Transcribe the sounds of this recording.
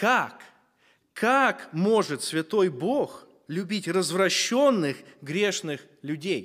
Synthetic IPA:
kak | kʰːakmo̞ʐɨt̪svʲɪt̪o̞jbox | lʲʊbʲitʲrəzvrɐɕːo̞nːɨxɡɾʲeʂnɨx | lʲʊdʲej

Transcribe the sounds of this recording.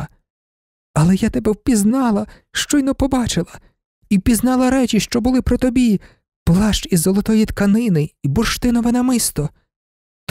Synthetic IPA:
ɐlˠɛjat̪ɛbɛwpʲiznɑlˠɐ | ʃt͡ʃɔjnɔpɔbɑt͡ʃɪlˠɐ | iwpʲiznɑlˠɐɾɛt͡ʃiʃt͡ʃɔbʊlˠɪpɾɔt̪ɔbʲi | plˠɑʃt͡ʃizːɔlˠɔt̪ɔjit̪kɐnɪnɪibɔrʃt̪ɪnɔʋɛnɐmɪst̪ɔ | t̪

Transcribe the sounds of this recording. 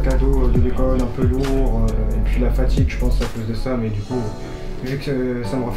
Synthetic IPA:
kad̪od̪əlekɔlɛ̃pøluʁøepɥilafat̪iɡʒəpɑ̃sakozd̪əsamɛd̪yku | vykəsaməʁəf

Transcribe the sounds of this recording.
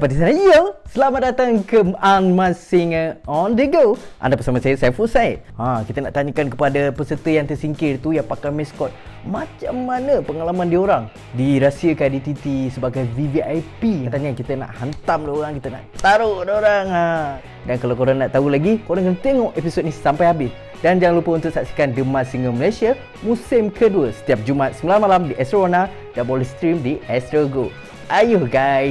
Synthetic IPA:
dpat̪̬isanajəsəlamat̪̚dat̪aŋkəanmasɪŋɔnd̪əɡoʔa̰ndapəsamasajəsafusajt̪̚ãkit̪əna̰ʔt̪aɲakankəpadapəsət̪əjaŋt̪ərsiŋkɪrt̪ujaŋpakajmɛskɔt̪̚ | mat͡ʃamːanəpəŋalamandioɾaŋ | diɾasiəkandit̪it̪isəbaɡajviviajpit̪aɲankit̪əna̰ʔhant̪amdioɾaŋkit̪əna̰ʔt̪aɾodoɾaŋa | dankalawkoɾanaʔt̪aɦulaɡikoɾaŋkənt̪eŋɔʔepisot̪̚nĩsampajhabɪs | dand͡ʒaŋlupəunt̪ʊʔsaksi̥kandəmasiŋəməlajsiə | mũsɪmkʰəduəsə̥t̪iap̚d͡ʒumat̪̚səmilanmalamdiʔɛst̪ɾona | dabɔlist̪ɾimdiʔɛst̪ɾaɡo | ʔajʊhɡaj

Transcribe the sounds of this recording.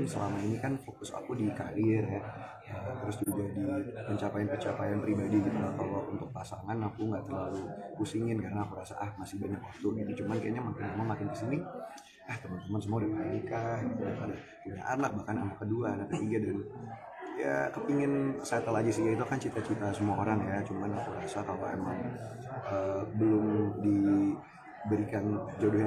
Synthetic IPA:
nsəlamainikanfokʊsa̰kudikaɾirjɛ | ət̪əɾʊsd͡ʒud͡ʒadipəɲt͡ʃapajanpəɲt͡ʃapajanpɾibadiɡit̪uakawaunt̪ʊk̚pasaŋanakuŋɡaʔt̪ərlalukusiŋɪnkaɾənaːkuɾasa̰ʔahmasɪhbaɲakwat̪ʊɡidit͡ʃumanka̰jaɲamakɪnamamakɪndisini | aht̪əmənt̪əməns̬əmuadipaa̰nikahaudapada | kina̰ʔa̰rnak̚bahkana̰nakːəduanakət̪iɡadan | ja̰kəpiŋɪnsajat̪alad͡ʒast̪iɡait̪̬ukant͡ʃit̪at͡ʃit̪asəmuaoɾaŋjat͡ʃumanakuɾasakaloḛmaŋ | əbəlʊmdi | bəɾikand͡ʒodɔhj

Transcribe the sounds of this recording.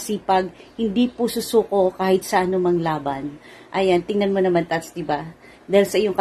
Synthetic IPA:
siːpɐɡ̚hɪnd̪ipusʊsuːko̞kaːhɪt̪̚sɐʔɐnomɐŋlaːbɐn | ʔɐjant̪ɪŋnɐnmonɐmant̪ɐt̪sd̪ɪba | d̪aːhɪlsɐʔɪjoŋkɐ

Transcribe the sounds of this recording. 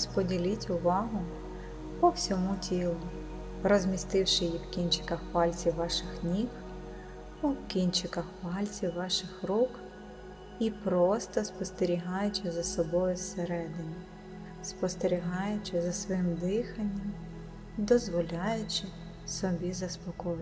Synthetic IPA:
spɔdʲilʲitʲʊʋɑɦʊ | pɔwsʲɔmutʲilˠʊ | rɔzʲmʲist̪ɪwʃɪjiwkʲinʲt͡ʃɪ̥kɐxpɑlʲt͡sʲiwʋɑʃɪxnʲix | uwkʲinʲt͡ʃɪkɐxpɑlʲt͡sʲiwːɑʃɪxruk | ipɾɔst̪ɔspɔst̪eɾʲiɦɑjʊt͡ʃɪzɐsɔbɔjʊseɾɛd̪ɪnʲi | spɔst̪eɾʲiɦɑjʊt͡ʃɪzɐsʋɔjɪmd̪ɪxɐnʲːɐm | d̪ɔzʋɔlʲɑjʊt͡ʃɪ | sɔbʲizɐspɔkɔj

